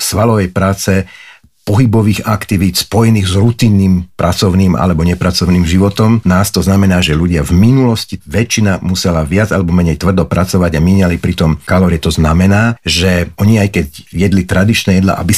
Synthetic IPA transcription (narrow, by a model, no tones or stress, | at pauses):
sʋalɔʋɛjpɾaːt͡sɛ | pɔɦibɔʋiːɣakt̪iʋiːt̪spɔjɛniːɣzɾut̪inːiːmpɾʔat͡sɔʊniːmʔa̰lɛbɔɲɛpɾat͡sɔʊniːmʒiʋɔt̪ɔmnaːst̪ɔznamɛnaːʒɛʎuɟɪavminulɔsciʋɛt͡ʃːinamusɛlaʋɪad͡zalɛbɔmɛɲɛjt̪ʋr̩d̪ɔpɾat͡sɔʋaɟamiːɲalipɾit̪ɔmkalɔɾɪɛt̪ɔznamɛnaːʒɛʔɔɲiajkɛɟjɛd̪lit̪ɾad̪it͡ʃnɛjɛd̪la̰ʔa̰bi